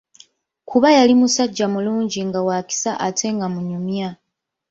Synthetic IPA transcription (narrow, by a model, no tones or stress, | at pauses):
kʰuβajalimusaɟːamuluːɲɟiŋɡawaːki̥saʔatʰe̞ŋɡamuɲumja